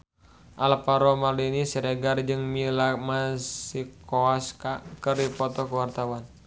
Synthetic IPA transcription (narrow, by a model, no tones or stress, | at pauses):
ʔalapaɾɔmaldinisiɾɛɡard͡ʒɨŋmilamasikɔaskakɨrdipɔt̪ɔkuwart̪awan